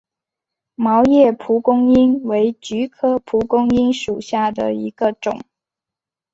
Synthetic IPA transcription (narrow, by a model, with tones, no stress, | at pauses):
mɑ˧˥ʊjɛ˥˩pʰu˧˥kʊ˥ŋi˥nwe˧˥ɪt͡ɕy˧˥kʰɤ˥pʰu˧˥kʊ˥ŋi˥nʂu˨˩ɕja˥˩d̪ə̰˩i˧˥ɡ̥ə˧ʈ͡ʂʊ̰˨˩˦ŋ